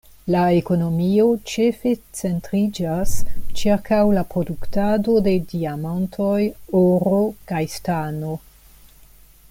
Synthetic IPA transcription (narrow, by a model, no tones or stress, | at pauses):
laeko̞no̞mio̞t͡ʃe̞fe̞t͡se̞ntɾid͡ʒast͡ʃiɾkawlapɾo̞duktado̞de̞diamantʰo̞joɾo̞kajstano̞